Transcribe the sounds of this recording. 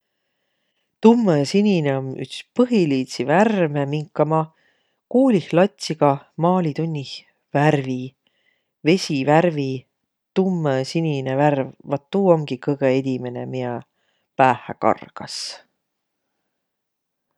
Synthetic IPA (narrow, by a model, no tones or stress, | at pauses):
t̪umːəsinʲineomy̰kspɤɦiliːt̪siværmemiŋkːˑɑmɑ | kuːlihlɑt̪ʲsiɡ̥ɑmɑːlʲit̪unʲːih | værvi | ve̞sʲiværvi | t̪umːəsinʲineværvvɑt̪ːuːo̞ŋɡ̥ikɤɡ̥eed̪̥ʲimenemiɑ | pæːhæ̰kɑ̰rɡ̥ɑs